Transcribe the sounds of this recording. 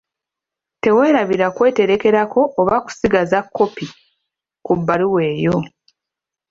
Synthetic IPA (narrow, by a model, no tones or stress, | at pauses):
te̞we̞ːɾaβiɾakwe̞ːte̞ɾe̞ke̞ɾako̞ʔːβaku̥siɡazakʰːo̞pi | kubːaliwe̞ːjo̞